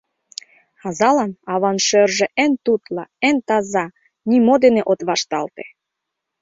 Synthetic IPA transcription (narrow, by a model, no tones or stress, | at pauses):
ɑzɑlɑnɑβɑnʃørʒĕʔent̪ut̪lɑent̪ɑzɑ | nʲimod̪eneʔot̪βɑʃt̪ɑlt̪e